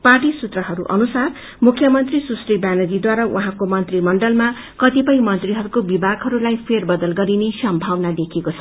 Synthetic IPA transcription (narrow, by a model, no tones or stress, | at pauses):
parʈisut̪rʌɦʌɾuʔʌ̰nusar | mukʰːjʌmʌnt̪risusribanʌd͡zid̪waɾawʔuɦãkomʌnt̪rimʌɳɖʌlma | kʌt̪ipʌj̃mʌnt̪riɦʌɾukobibaɡɦʌɾulajpʰerbʌd̪ʌlɡʌɾinesʌmbʱawnad̪ekʰekot͡sʰʌ